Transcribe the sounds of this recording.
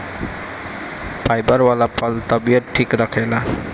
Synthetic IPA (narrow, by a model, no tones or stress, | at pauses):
pajbaɾwalapalt̪ɔbiɔtʈʰːikɾakʰala